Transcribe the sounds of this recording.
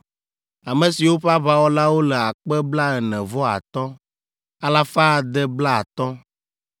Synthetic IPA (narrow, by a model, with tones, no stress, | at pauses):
a˨mɛ̃˨si˨wo˦ɸa˦βa˦wɔ˦la˦wo˦lɛ˨a˨k͡pɛ˦bla˦ɛ˨nɛ̃˨vɔ˦a̰˨t̪ɔ̃˦ | a˦la˦fa˦˨d̪ɛ˦bla˦a˨t̪ɔ̃˦